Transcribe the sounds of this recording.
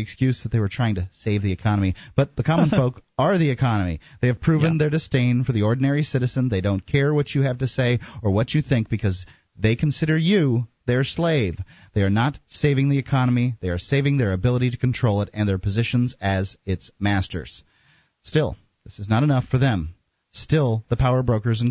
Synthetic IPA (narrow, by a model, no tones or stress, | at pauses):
ɨkskjʉzðɨt̪̚ðeɪwə˞tʰɹ̥aɪɪ̃ŋtɨseɪvðiɨkʰɑnəmib̥ʌt̪̚ðəkʰɑmə̃nfoʊkə˞ðiɨkʰɑnɨmḭðeɪɨv̥pʰɹ̥ʉvɨ̃nðə˞dɨstẽɪ̃nfə˞ðiɔɹdⁿn̩ɛɹisɪɾɨzɨ̃nðeɪdõʊ̃nkʰɛɹwʌt͡ʃɨæv̥tɨseɪə˞wʌt͡ʃɨθɪ̃ŋk̚b̥ɨkʰʌz | ðeɪkʰn̩sɪɾə˞jɨðeɪə˞sleɪv | ðeɪə˞nətseɪvɪ̃ŋðiɨkʰɑnəmiðeɪə˞seɪvɪ̃ŋðə˞ɨbɪlˠəɾiɾɨkn̩tʰɹ̥oʊlˠəɾɨ̃nðə˞pʰɨzɪʃɨ̃nzɨzɪtsmæstə̰˞z̥ | stɪlˠ | ðɪsɨznəɾɨnʌfə˞ðɨ̃m | stɪlˠðəpʰaʊə˞bɹoʊkə˞z̃n